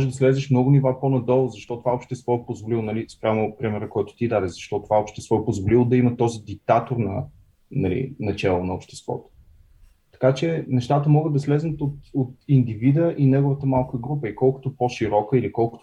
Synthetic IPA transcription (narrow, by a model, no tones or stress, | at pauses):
mɔʒɛd̪ɐslɛzɛʃmnɔɡʊnivaponɐd̪ɔlˠʊzɐʃt̪ɔt̪ovaopʃt̪ɛst̪vɔɛpozvolilˠonɐlispɾʲamʊpɾimɛɾəkɔjt̪ʊ̥t̪id̪ad̪ɛzɐʃt̪ɔt̪ovaopʃt̪ɛst̪vɔɛpozvolilˠʊd̪ɐimət̪ɔzid̪ik̚t̪at̪oɾnɐ̰ | nɐlḭnɐt͡ʃɛlˠonɐopʃt̪ɛ̥st̪vɔ̰t̪ʊ̥ | t̪ɐ̥kat͡ʃɛnɛʃt̪at̪əmɔɡəd̪ɐslɛznət̪ot̪ot̪ind̪ivid̪əʔinɛɡʊvət̪əmalˠkəɡɾupəikɔlˠkʊ̥t̪opoʃiɾɔkəilikɔlˠkʊ̥t̪